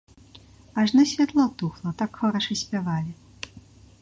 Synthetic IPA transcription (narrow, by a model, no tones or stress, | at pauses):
aʐnɨsʲvʲat̪lˠɔt̪uxlˠɐt̪akxɔɾɐʂɨsʲpʲavalʲi